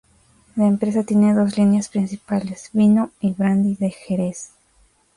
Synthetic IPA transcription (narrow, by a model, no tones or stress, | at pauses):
laempɾe̞s̬at̪jene̞ðo̞zlinjaspɾinsipalesβinoiβɾand̪iðe̞xeɾes